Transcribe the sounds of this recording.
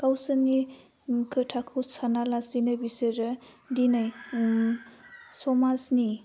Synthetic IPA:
kawsɯni | kʰɯtʰakʰɯwsanalasinabisɯɾɯ | dinaj | sɔmasni

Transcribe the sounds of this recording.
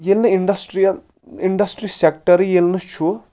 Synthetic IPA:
jelnɨiɳɖɐsʈɾiɐ | iɳɖɐsʈɾisek̚ʈɐɾijelnɨt͡ʃʰu

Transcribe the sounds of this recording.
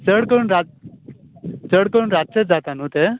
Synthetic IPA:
t͡səɽkəɾuːnɾa | t͡səɽkəɾuːnɾat̪̚t͡set̪̚d͡zat̪anut̪e

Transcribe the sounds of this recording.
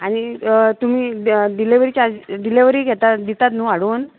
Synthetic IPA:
añit̪um̤iːɖileʋɾiːt͡ɕad͡zɖileʋɾiːɡʱɛt̪ad̪it̪at̪nuːaɽon

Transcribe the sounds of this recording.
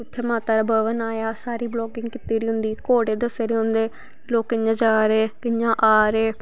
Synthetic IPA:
ʊt̪ʰːeːmaːt̪aːɾabəʋənaːjaːsaːɾiːblɔːkɪŋɡkɪt̪ːiːɾiːɦʊ̃nd̪iːkoːɽeːd̪əseːɾeːɦʊ̃nd̪eː | loːkːɪɲãːd͡ʒaːɾeːkɪɲãːʔaːɾeː

